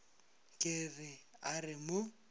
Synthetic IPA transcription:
kʼɪrɪarɪmʊ

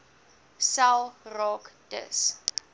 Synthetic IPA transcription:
salrɔkd̥ə̰s

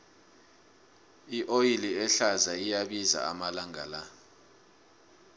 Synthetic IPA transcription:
iʔojiliɛɬazaijaɓiza̰a̰malaŋa̰la

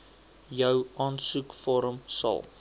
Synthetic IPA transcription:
jəwʔɑːnsukfɔɾəmsɐ̰lˠ

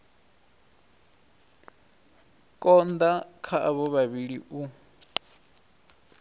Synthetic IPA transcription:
kʼɔnd̪akʰaʔaβɔβaβiɺiʔu

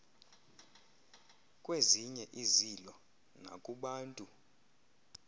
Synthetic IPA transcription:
kʼweziɲɛʔizilɔ | na̰kʼuɓaːntʼu

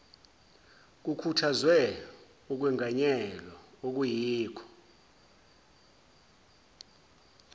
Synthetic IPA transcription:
k̬ukʰutʰazwɛ | uk̬wɛŋʱaɲɛlɔok̬ujiːkʰɔ̥

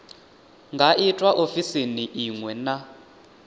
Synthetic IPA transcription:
ŋɡʱaʔitʼwaʔofisiniʔiŋwɛna

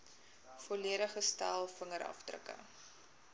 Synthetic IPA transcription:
fɔliəɾəχəstælˠfəŋəɾʔɐ̰fdrə̰kə̰

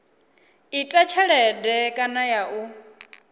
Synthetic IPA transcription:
itʼat͡ʃʰɛɺɛdɛkʼanajaʔu

